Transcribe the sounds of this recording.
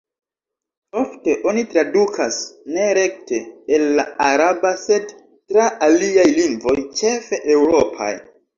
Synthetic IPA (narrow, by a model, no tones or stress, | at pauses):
o̞fte̞ʔo̞nitɾadukʰasne̞ɾe̞k̚te̞ːlːaaɾabase̞d | tɾaaliajliŋɡvo̞jt͡ʃe̞fe̞ʔe̞wɾo̞pʰa̰j